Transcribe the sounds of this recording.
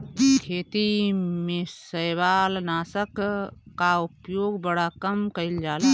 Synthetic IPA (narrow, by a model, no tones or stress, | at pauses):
kʰeːt̪imẽsəjbaːlnaːsəkː | aʊpjoːɡbəɽakəmkəɪld͡ʒaːle